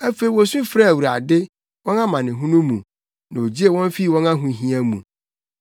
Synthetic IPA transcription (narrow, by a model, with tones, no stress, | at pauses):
æ˦fe˨i˨wɔ˨sʊ̃˦fɾa˦˨wu˨ɾa̰˨dɪ˦ | wɔ̃˦nã˦mã˨nɪ̃˨ɦũ˦nũ˦mṵ̃˨ | nã˨o˨d͡ʑi˦e˨wɔ̃˦n˦fi˦˨wɔ̃˦nã˦ɦũ˨˦ɦĩ˦ã˦mũ˨